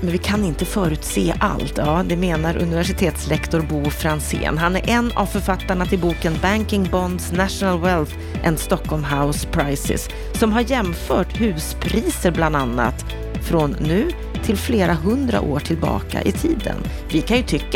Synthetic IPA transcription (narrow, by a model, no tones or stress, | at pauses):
mɛnvɪkʰanɪnt̪əfœːɾʉ̟ːt̪seːʔa̰lt̪jɑːd̪ɛmeːnaɾʔɵ̰nɪvæʂɪt̪ʰeːt̪slɛkt̪ɔɾbuːfɾansḛːnɦanæɾʔɛnːa̰vfœɾfat̪ːaɳat̪ʰɪlbuːkənbæŋkɪŋbɔnd̪snæʂnalwɛlθ | ʔɛ̰nd̪st̪ɔkʰːɔlmɦaʊspʰɾajsɪ̰sː | ɔmɦaɾjɛmfœːʈhʉ̟ːspʰɾiːsəɾbland̪anːa̰t̪ | fɾɔnːʉ̟ː | t̪ʰɪlfleːɾaɦɵnd̪ɾa̰ʔoːʈʰɪlbɑ̰ːka̰ʔɪt̪ʰiːd̪ə̰n | vɪkʰanjɵt̪ʰʏkː